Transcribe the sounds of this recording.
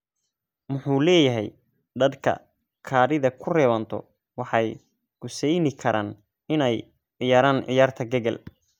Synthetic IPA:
mʊħuːlɛːjɐɦɛj | ɖ̪ɐd̪kʰɐ̰ | kʰaːɾɪðɐkʰʊrɛːwɐnt̪ʰɔ̰ | wɑħɑj | ɡ̥ʊsɛjnɪkʰɐɾʔaːn | ɪnɛj | ʕɪjaːɾaːnʕɪ̰jaːrt̪ʰɐɡɐɣɐ̰l

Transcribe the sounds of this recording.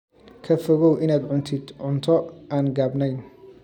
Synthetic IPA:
kʰɐfɔɣɔwʔɪnaːd̪ʕʊnt̪ʰɪd̪ʕʊnt̪ʰɔaːnɡaːbnɛjn

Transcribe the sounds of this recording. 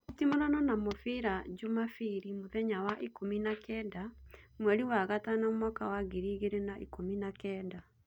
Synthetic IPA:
utimonɔnɔnamofiɾad͡ʒomafiɾimoðɛɲawaʔikominakɛdamwɛɾiwaɣatanɔmwakawaɡiɾiɣeɾenaʔikominakɛːda

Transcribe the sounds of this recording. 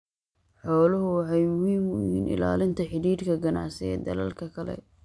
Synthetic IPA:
ħɔːlʊɦʊwɑħɑjmʊhiːmʊjhiːnɪ̰la̰ːlɪnt̪ʰɐħɪɾiːɾkʰɐɡɐnɑ̰ʕsɪɛːd̪ɐlɐ̰lkʰɐkʰɐlɛ̰

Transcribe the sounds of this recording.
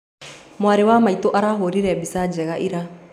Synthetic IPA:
mwaɾewamaitoʔaɾaːɦoɾiɾɛbisad͡ʒɛɣaʔiɾa

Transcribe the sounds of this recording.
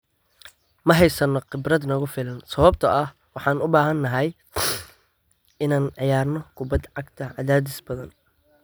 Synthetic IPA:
mɐɦɛjsɐnːɔqɪbrɐd̪nɐɣʊfɪlɐnsɐβɐb̚t̪ʰɐʔɐh | wɑħɑːnʊbaːɦɐnːɐɦɐj | ɪnaːnʕɑjaːrnɔkʰʊbɐd̪ʕɑɡt̪ʰɐʔɐðaːd̪ɪsbɐðɐn

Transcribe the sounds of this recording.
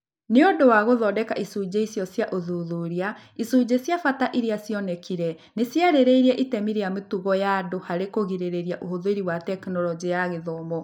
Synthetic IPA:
neodowaɣoðɔːdɛkaʔisud͡ʑeisjɔsjaʔoðuðuɾiaisud͡ʑesjafataʔiɾeasjɔnɛkiɾɛ | nesjaɾeɾeiɾiɛʔitɛmiɾeametuɣɔjaːdohaɾekoɣiɾeɾeɾiaʔohoðoeɾiwatɛknɔlɔd͡ʒijaɣeðɔmɔ

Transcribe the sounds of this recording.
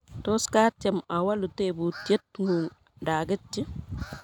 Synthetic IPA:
toskat͡ʃemawalutebutetŋuŋ | daɡɪt͡ʃːi

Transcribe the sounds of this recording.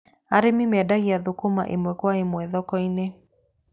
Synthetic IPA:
aɾemimadaɣiaðʊkuma̰ʔemwɛkwaemwɛðɔkɔine

